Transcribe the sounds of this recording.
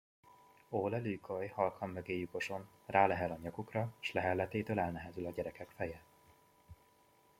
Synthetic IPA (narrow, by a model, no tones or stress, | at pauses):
oːlɛlykʰojhɒlkhɒmːøɡeːjuko̞ʃo̞n | raːlɛɦɛlɒɲɒɡukrɒʃlɛɦɛlːɛt̪eːt̪øːlɛlnɛɦɛzylɒɟɛɾɛkɛkfɛjɛ